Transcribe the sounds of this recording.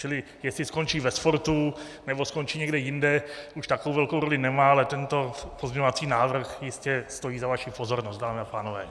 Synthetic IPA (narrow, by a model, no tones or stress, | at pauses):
t͡ʃɪlɪ | jɛslɪsko̞nt͡ʃiːvɛsfoɾt̪unɛbo̞sko̞nt͡ʃiːɲɛɡdɛjɪndɛuʃt̪akowvɛlko̞wɾo̞lɪnɛmaːalɛt̪ɛnt̪o̞pozmɲɛɲovat͡siːnaːvr̩xjɪscɛst̪o̞jiːzavaʃipo̞zo̞ɾnost̪̚daːmɪapaːnovɛ̰ː